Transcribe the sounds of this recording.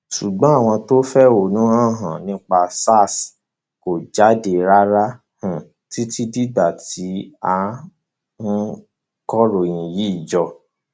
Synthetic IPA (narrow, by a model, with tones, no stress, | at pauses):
ʃu˨ɡ͡bɔ̃˨˦a˦˨w̃ɔ̃˧to˦fɛ˦o˨nũ˦ã˦˨ɦã˨nĩ˨˦k͡pa˧sa˦˨s | ko˨d͡ʒa˨˦de˨ɾa˦ɾa˦ | hũ˨ | ti˦ti˦di˦ɡ͡ba˨ti˨˦a˧ | nũ˦ | kɔ˦ɾo˨j̃ĩ˨ji˨˦i˦˨d͡ʒɔ˧